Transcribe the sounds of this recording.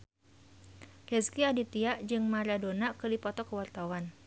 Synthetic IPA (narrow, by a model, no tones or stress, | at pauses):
rɛskiadit̪iaʔd͡ʒɨŋmaɾadonakɨdipɔt̪ɔkəwart̪awan